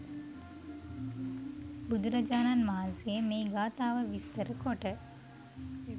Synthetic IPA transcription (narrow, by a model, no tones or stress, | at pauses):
bud̪uɾɐd͡ʒaːnanmaːziemeːɡaːt̪aːʋəʋist̪əɾəkoʈə